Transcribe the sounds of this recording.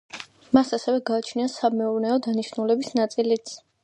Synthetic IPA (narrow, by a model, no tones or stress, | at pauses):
masasɛvɛɡaːt͡ʃʰniasamɛuɾnɛɔd̪aniʃnulɛbisnat̪sʼilit̪sʰ